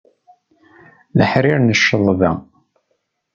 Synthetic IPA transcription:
lə̰ħɾiɾnəʃːəðˤðæ̰

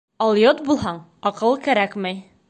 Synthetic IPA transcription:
ɒlˠjot̪̚bulˠɦɑɴɒqɤlˠkæɾækmæj

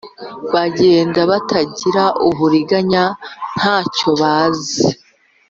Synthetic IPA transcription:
βaɟe̞ːndaβatʰaɟiɾaʔuβuɾiɡaɲan̥haːco̞βaːzi

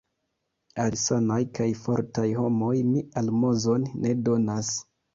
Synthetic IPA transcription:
alsanajkajfo̞ɾtajho̞mo̞jmialmo̞zo̞nːe̞do̞nas

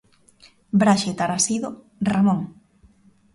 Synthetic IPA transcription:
bɾaʃet̪aɾasiðo | ramoŋ

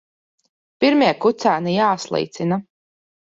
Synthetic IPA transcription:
piɾmiɛkut̪saːnijaːslˠɛ̰jt̪sina

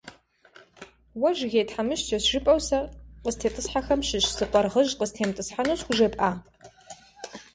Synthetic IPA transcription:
wɐʒɣʲejtħamɨʃɐɕʒ̥ɪpʼɐwsɐrqəztʰeːtʼɨsħaxɐmʃɪʃsɨqʷʼɔrʁəʒqəztʰeːmtʼɨsħanuɕxʷʊʒɐpʼaː

